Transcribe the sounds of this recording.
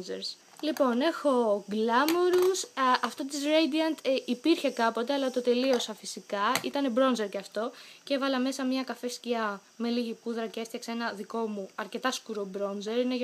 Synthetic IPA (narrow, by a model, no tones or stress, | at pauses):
zeɾs | lipo̞ne̞xo̞ɡlɐmo̞ɾusɐft̪ot̪izɾejd̪iɐnt̪ipiɾçe̞kɐpo̞t̪e̞ɐlɐt̪o̞t̪e̞lio̞sɐfisikɐit̪ɐnebɾo̞nze̞ɾceɐft̪o̞ce̞vɐlɐme̞sɐmɲɐkɐfesciɐ | me̞liʝipuðɾɐceeft̪çɐksee̞nɐðiko̞muɐɾce̞t̪ɐskuɾo̞bɾo̞nze̞ɾineʝ